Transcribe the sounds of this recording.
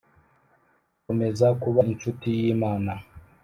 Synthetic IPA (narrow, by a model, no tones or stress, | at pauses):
omezakuβaint͡ʃutijiːmaːna